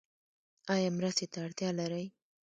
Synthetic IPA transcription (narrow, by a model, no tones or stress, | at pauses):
ɑjɑmɾəst̪et̪aːɽt̪jɑlaɾəj